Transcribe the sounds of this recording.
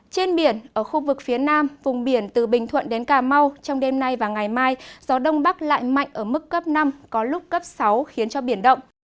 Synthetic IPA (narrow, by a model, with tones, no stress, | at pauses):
t͡ɕe˧nɓi˧˩ənʔəː˧˩xu˧vɨ˨˩k̚fi˨˦ənaː˧mvʊ˨˩ŋ͡mɓi˧˩ənt̪ɨ˨˩ɓï˨˩ŋ̟t̪ʰwə̰˧˨nɗe˨˦nkaː˧˩ma˧wt͡ɕɔ˧wŋ͡mɗe˧mna˧jvaː˨˩ŋa˨˩jmaː˧jz̥ɔ˨˦ɗə˧wŋ͡mɓa˦˥k̚la̰ː˧˨jma̰˧˨jŋ̟ʔəː˧˩mɨ˦˥kːə˦˥p̚na˧mkɔ˨˦lʊ˦˥k͡p̚kə˦˥p̚sa˨˦wxi˨˦ənt͡ɕɔ˧ɓi˧˩ənɗə̰˧˨wŋ͡m